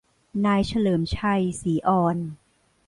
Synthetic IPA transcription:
naː˧jt͡ɕʰa˧lɤː˩˦mt͡ɕʰa˧jsiː˩˦ʔɔː˧n

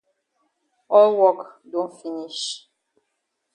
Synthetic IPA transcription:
ɔ˦lwɔ˦˨kdo˦fi˨ni˦ʃ

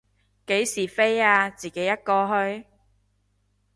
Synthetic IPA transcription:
ke˨˥jsiː˨˩fe˥jaː˧t͡siː˨˩ke˨˥jːɐ˥t̚kɔː˧ɦɵ˧ɥ

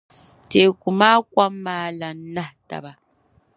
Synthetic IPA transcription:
te˨ku˨ma˦kwa˦mːaː˨˦la˨n˦na˦˨hta̰˨ba˨

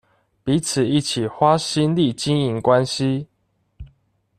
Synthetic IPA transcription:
pi˨˦t͡s̩ʰ˨˩i˥˨t͡ɕʰi˨˩xwa˦ɕi˦nli˥˨t͡ɕi˦ŋi˨˦ŋkwa˦nɕi˦

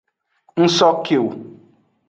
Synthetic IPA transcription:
n̩˦sɔ˦kʰe˨wu˨

